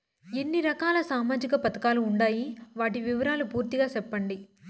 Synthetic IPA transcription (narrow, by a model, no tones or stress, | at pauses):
enːiɾɐkaːlɐsaːmaːd͡ʒikɐpɐt̪ɐkaːluːɳɖaːjiʋaːʈiʋiʋɐɾaːlupuːɾt̪iɡaːt͡ʃɛpːɐɳɖi